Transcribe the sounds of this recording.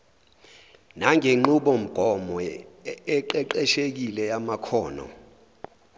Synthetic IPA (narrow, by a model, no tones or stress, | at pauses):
naŋʱeŋ͡ǃuɓɔm̩ɡ̥ʱɔmɔɛǃɛǃɛʃek̬ilɛjamakʰɔːnɔ̰